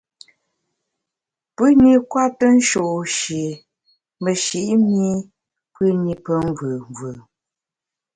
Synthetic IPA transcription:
pʉ˦ni˦kwa˦tə˦n̩˦ʃo˨ʃi˨ | mə˨ʃi˨ʔmi˦ | pʉ˦ni˨pə˦ŋ˦vʉ˨vʉ˨

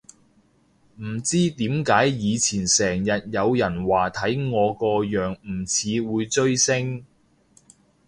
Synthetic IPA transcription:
m̩˨˩t͡siː˥t̪iː˨˥mkaː˨˥jjiː˨˧t͡sʰiː˨˩nsɛː˨˩ŋjɐ˨t̚jɐ˨˧wjɐ˨˩nwaː˨t̪ʰɐ˨˥jŋɔː˨˧kɔː˧jœː˨˩ŋm̩˨˩t͡sʰiː˨˧wuː˨˧jt͡ʃɵ˥ɥsɪ˥ŋ

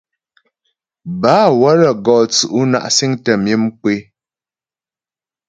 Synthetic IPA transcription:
baː˨˦wə˦ɾə˨ɡɔː˨t͡su˨ʔu˦na̰˨ʔsi˦ŋtə˨mji˦mk͡pwe˦

